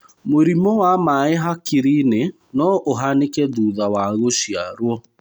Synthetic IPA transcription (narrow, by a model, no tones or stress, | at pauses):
moɾimɔwamaeɦakiɾine | nɔʔoɦanekɛduːðawaɣoʃjaɾwɔ